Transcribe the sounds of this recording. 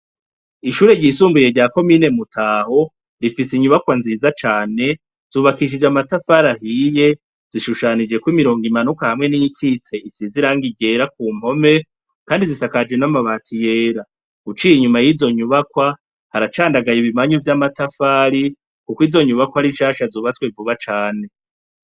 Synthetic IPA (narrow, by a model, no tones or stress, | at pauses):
iʃuːɾe̞ɟiːsuːmbuje̞ɾɟaːko̞mine̞mutʰaːho̞ | ɾifisiɲuβakwanziːzat͡ʃaːne̞ | z̥uːβakiʃ̬id͡ʒamatafaɾahiːje̞ | z̥iʃuʃanid͡ʒe̞kwimiɾo̞ːŋɡimanukahamŋe̞nijikʰit͡se̞isiziɾaŋɡiɡe̞ːɾakuːm̥ho̞me̞ | kaːndizisakad͡ʒwe̞namaβaːtʰije̞ːɾa | ɡut͡ʃiːjiɲumajizo̞ɲuβakwa | haɾat͡ʃaːndaɡajiβimaɲuvjamatafaːɾi | kukwiːzo̞ɲuβakwahaɾiʃaːʃazuːβatwevuβat͡ʃaːne̞